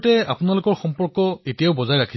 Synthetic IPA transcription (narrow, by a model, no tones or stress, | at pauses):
tɛa̰pʊnalʊkɔɹxɔmpɔɹkɔetijaʊbɔzajɹakʰi